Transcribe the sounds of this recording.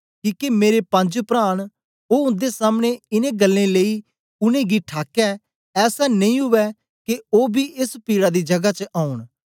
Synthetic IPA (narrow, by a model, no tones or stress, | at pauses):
kiːkemeːɾepɐ̃ɲd͡ʒpɾaːɽ̃ | oːʊ̃nd̪esaːmɽ̃eɪnẽɡəlːẽleiː | ʊnẽɡiʈʰaːkɛ | ɛːsanɐĩɦʊʋɛ | keoːbʱiːʔɪspiːɽad̪id͡ʒɐɡat͡ʃəʔaːʊɽ̃